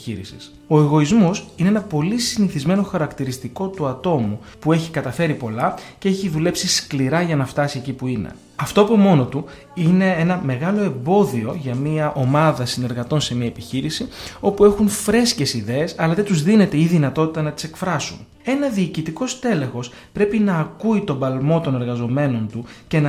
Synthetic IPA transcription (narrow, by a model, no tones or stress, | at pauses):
ḭɾḭsis | o̞e̞ɣo̞izmo̞sine̞enɐpo̞lisiniθizme̞no̞xɐɾɐkt̪iɾist̪iko̞t̪uɐt̪o̞mu | pue̞çikɐt̪ɐfe̞ɾipo̞lɐce̞eçiðule̞psiskliɾɐʝɐnɐft̪ɐsiecipuine̞̰ | ɐft̪o̞ɐpo̞mo̞no̞t̪u | ine̞enɐme̞ɣɐlo̞e̞mbo̞ðio̞ʝɐmiɐʔo̞mɐðɐsine̞ɾɣɐt̪o̞nse̞miɐepiçiɾisio̞pue̞xunfɾe̞sce̞siðe̞ːsɐlɐðet̪uzðine̞t̪eiðinɐt̪o̞t̪i̥t̪ɐnɐt̪i̥se̞kfɾɐsun | e̞nɐðiːcit̪iko̞st̪e̞le̞xo̞s | pɾe̞pinɐːkuit̪obɐlmo̞t̪o̞ne̞ɾɣɐzo̞me̞no̞nt̪uce̞nɐ